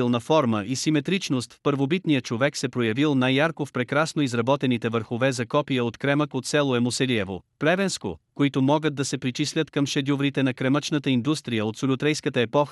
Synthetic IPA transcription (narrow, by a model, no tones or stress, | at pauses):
ilˠnɐfɔɾməʔisimɛt̪ɾit͡ʃnost̪fpəɾvobit̪nijət͡ʃovɛksɛpɾojɐvilˠnajːaɾkofpɾɛkɾasnoizɾɐbɔt̪ɛnit̪ɛvəɾxovɛzɐkɔpijəot̪kɾɛməkot̪sɛlˠoɛmosɛliɛvo̰plɛvɛnsko̰koit̪omɔɡəd̪̚d̪ɐsɛpɾit͡ʃislʲət̪kɐmʃɛd̪ʲuvɾit̪ɛnɐkɾɛmət͡ʃnət̪əind̪ust̪ɾijəot̪solʲʊt̪ɾɛjskət̪əɛpɔxə